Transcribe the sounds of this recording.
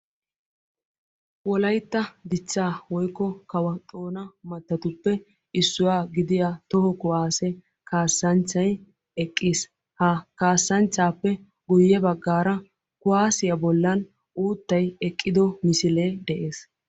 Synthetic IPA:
wɔlɐjt̪ːɐd̪ɪt͡ʃːaːwɔjkːɔkɐwɐt̪ʼo̞ːnɐmɐt̪ːɐt̪ʊpːɛ | ɪsːʊwaːɡɪd̪ɪjat̪ɔhɔkʊwaːsɛ | kaːsːɐnt͡ʃːɐj | ɛkʼːiːs | hɐkaːsːɐnt͡ʃːaːpːɛ | ɡʊjːɛbɐɡːaːɾɐ | kʊaːsɪjɐbɔlːɐn | ʔuːt̪ːɐjɛkʼːɪd̪ɔmɪsɪleːd̪ɛʔeːs

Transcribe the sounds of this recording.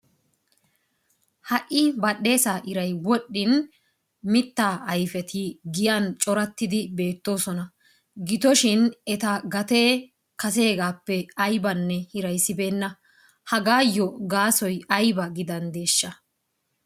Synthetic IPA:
hɐʔɪbɐɗe̞ːsaːʔɪɾɐjwɔɗːɪn | mɪt̪ːaːʔɐjfɛt̪ʰɪɡɪjant͡ʃʼɔɾɐt̪ːɪd̪ɪbe̞ːt̪ːo̞ːsɔnɐ | ɡɪt̪ɔʃɪnɛt̪ɐɡɐt̪e̞ː | kɐs̬e̞ːɡaːpːɛɐjbɐnːɛhɪɾɐjsːɪbe̞ːnːɐ | hɐɡaːjːɔɡaːsɔjɐjbɐɡɪd̪ɐnd̪e̞ːʃːɐ

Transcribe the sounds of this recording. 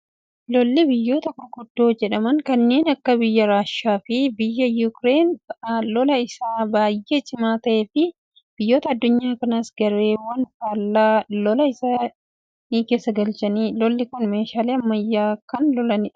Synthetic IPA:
lɔlːɪbɪjːo̞ːt̪ɐkʊɾkʊd̪̥ːo̞ːd͡ʒɛᶑɐmɐŋkɐnːe̞ːnɐkːɐbɪjːɐɾaːʃːaːfɪbɪjːɐjukɾe̞ːnlɔlɐɪsaːbaːjʔe̞ːt͡ʃʼɪmaːt̪ɐʔe̞ːfɪ | b̥ɪjːo̞ːt̪ɐɐd̪ːʊɲːaːkɐnɐsɡɐɾe̞ːwɐnfaːlːaːlɔlɐɪsaː | niːke̞ːsːɐɡɐlt͡ʃɐniːlɔlːɪkʊnme̞ːʃaːleːɐmːɐɪjːaːkɐnlɔlɐnɪ

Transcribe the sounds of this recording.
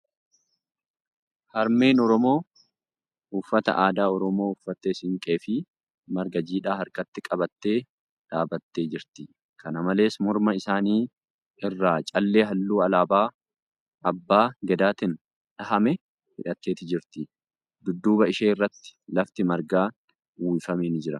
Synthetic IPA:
hɐɾme̞ːnɔɾɔmo̞ː | ʊfːɐt̪ɐ̰ʔaːd̪aːɔɾɔmo̞ːʊfːɐt̪ːesɪŋkʼe̞ːfɪ | mɐɾɡɐd͡ʒiːᶑaːɦɐɾkɐt̪ːɪkʼɐbɐt̪ːe̞ː | ᶑaːbɐt̪ːe̞ːd͡ʒɪɾt̪ɪ | kɐnɐmɐle̞ːsmʊɾmɐɪsaːniː | ɪrːaːt͡ʃʼɐlːe̞ːɦɐlːuːɐlaːbaː | ɐbːaːɡɛd̪aːt̪ɪn | ᶑɐɦɐmɛ | hɪᶑɐt̪ːe̞ːt̪ɪd͡ʒɪɾt̪ɪ | d̪ʊd̪ːuːbɐɪʃeːɪrːɐt̪ːɪ̥lɐft̪ɪmɐɾɡaː | wuːɪfɐmeːnd͡ʒɪɾɐ

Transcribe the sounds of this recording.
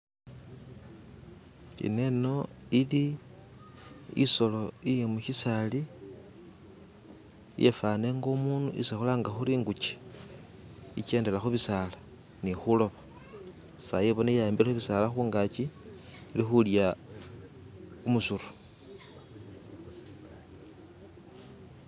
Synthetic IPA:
ḭne̞no̞ili | ḭso̞lo̞ijemuçisali | jḛfane̞ŋɡo̞muːnuʔisixolaːŋɡaxuɾiːŋɡut͡ʃe̥ | ḭt͡ʃe̞ːnde̞laxuβisala | nixulo̞βa | sajeβo̞najaeːmbilexuβisalaxuːŋɡat͡ʃiilixulja | umusuɾu̥

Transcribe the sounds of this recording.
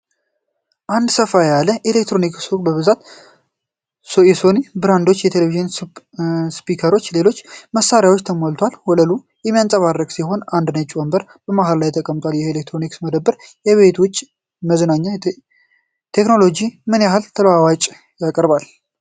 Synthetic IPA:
ʔand̪səfajaləʔelek̚t̪ɾo̞niksukʼbəβɨzat̪ | jɛsonibɨɾand̪o̞t͡ʃːjɛt̪ʰeleviʒɪn | spikʰəɾo̞t͡ʃːle̞lo̞t͡ʃːməsaɾijawt͡ʃːt̪ʰəmolt̪ʰwalhɔləlu | jɛmːijant͡sʼəβarːəkʼsiɦo̞nand̪nət͡ʃʼwɔmbəɾ | b̥əmaɦallajt̪ʰːəkʼəmt̪ʼwaljɛelek̚t̪ʰɾoniksməd̪əbːəɾjɛβe̞t̪wʊt͡ʃʼː | məzənaɲːa | t̪ʰekno̞lo̞d͡ʒimɨnjaɦalt̪ʰəlwawat͡ʃʼ | jakʼəɾbal

